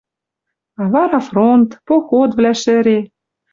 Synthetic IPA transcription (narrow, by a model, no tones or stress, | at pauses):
ɑβɑɾɑfront̪poxot̪vlæʃɘ̆ɾe